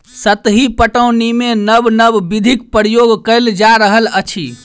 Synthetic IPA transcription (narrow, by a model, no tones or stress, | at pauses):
sət̪ɦipəʈəwnimenəbnəbːid̪ʱik̚pəɾjoɡkəɪld͡ʒaɾəɦələt͡ʃʰi